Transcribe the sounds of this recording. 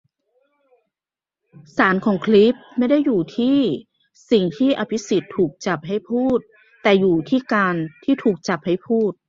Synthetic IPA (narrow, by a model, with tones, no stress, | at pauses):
saː˩˦nkʰɔː˩˦ŋkʰli˦˥p̚ma˥˩jda˥˩jːuː˨˩t̪ʰiː˥˩ | si˨˩ŋt̪ʰiː˥˩ʔa˧pʰi˦˥si˨˩t̪ʰːuː˨˩k̚t͡ɕa˨˩p̚ɦa˥˩jpʰuː˥˩t̪̚ː | ɛː˨˩juː˨˩t̪ʰiː˥˩kaː˧nt̪ʰiː˥˩t̪ʰuː˨˩k̚t͡ɕa˨˩p̚ha˥˩jpʰuː˥˩t̪̚